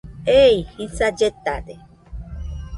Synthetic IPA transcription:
eihisad͡ʒet̪ad̪e

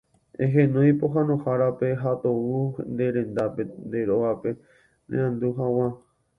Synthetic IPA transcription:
ḛ̃ɦẽnõj̃poɦãnõhaɾape̞ɦat̪ound̪e̞ɾẽ̞nd̪apend̪eɾoʋape̞ | nḛ̃ãnd̪uɦaw̃ã

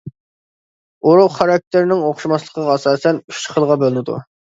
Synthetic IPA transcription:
oɾuχɑɾɑk̚ʲt̪ʰɪɾnɪŋoχʃimɑslˠəqʰəʁɑɑsɑːsɛnyt͡ʃχəlˠʁɑbølɪnɪd̪ṵ

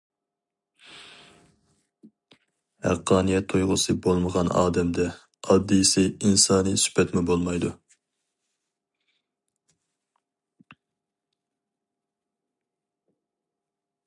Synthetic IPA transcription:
hæ̰qʰːɑːnijɛt̪ʰːujʁʊsɨbolˠməʁɑnɑ̰ːd̪ɛmd̪ɛ | ɑd̪ːijsɪinsɑːnɨsy̥pʰɛt̪mɪbolˠmɑjd̪u

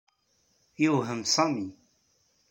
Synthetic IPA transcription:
jəwɦəmsɑmi

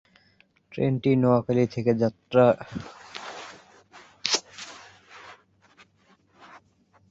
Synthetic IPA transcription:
ʈɾḛnʈinɔakalit̪ʰeked͡ʑat̪ːɾa

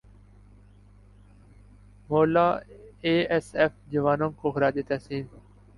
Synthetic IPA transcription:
moːlaːeːesefd͡ʑɐʋaːnõːŋkoːxɾaːd͡ʒeːt̪ɛsiːn

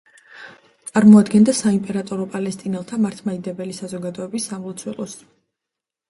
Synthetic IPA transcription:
t̪ʼaɾmɔad̪ɡɛnd̪asaimpʼɛɾat̪ʼɔɾɔpʼalɛst̪ʼinɛlˠt̪ʰamaɾt̪ʰmaid̪ɛbɛlisazɔɡad̪ɔɛbisːamlˠɔt̪sʰwɛlˠɔs

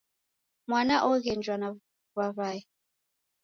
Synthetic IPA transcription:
mwanaʔɔɣɛnd͡ʒwana | βaβai

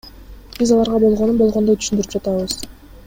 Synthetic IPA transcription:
b̥izɑlˠɑɾʁɑbo̞lˠʁo̞nunbolˠʁo̞nd̪ot̪ʰy̥ʃynd̪yɾypd͡ʒɑt̪ɑβɯz̥

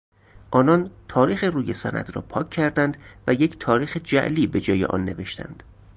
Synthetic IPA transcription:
ʔɒːnɒnt̪ʰɒːɾiːxeruːje̞sæ̰nʔæ̰d̪rɒ̰ːpʰɒːcʰːæɾd̪ænd̪væjecʰt̪ʰɒːɾiːxed͡ʒæ̰ʔliːbe̞d͡ʒɒːje̞̰ʔɒ̰nːe̞ve̞ʃt̪ʰæ̰nd̪̥

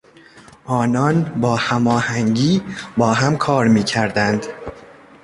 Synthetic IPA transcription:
ʔɒːnɒːnbɒːhæmɒːhæŋɟiːbɒːɦæmkʰɒːɾmiːcʰæɾd̪ænd̪̥

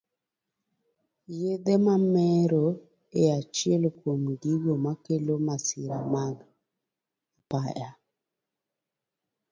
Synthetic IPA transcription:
jed̪emamɛɾo | eat͡ʃielkwomɡiɡomakelomasɪɾamaɡ | apaja

